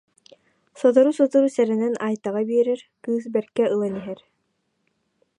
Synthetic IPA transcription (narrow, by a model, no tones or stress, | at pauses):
sɔt̪ɔɾusɔt̪uɾusɛɾɛnɛnajt̪aʁabiːɾɛɾkɯːs̬bɛɾkɛʔɯlˠaniɦɛɾ